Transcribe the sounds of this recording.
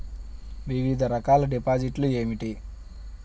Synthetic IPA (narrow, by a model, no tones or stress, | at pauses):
ʋiʋid̪ʱɐɾɐkaːlɐɖipaːd͡ʒiʈlue̞ːmiʈi